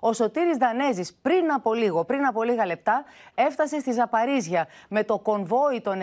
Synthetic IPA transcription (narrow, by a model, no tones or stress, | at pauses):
o̞so̞t̪iɾizðɐne̞zispɾinɐpo̞liɣo̞pɾinɐpo̞liɣɐle̞p̚t̪ɐe̞ft̪ɐse̞st̪izɐpɐɾizʝɐme̞t̪o̞ko̞ɱvo̞it̪o̞n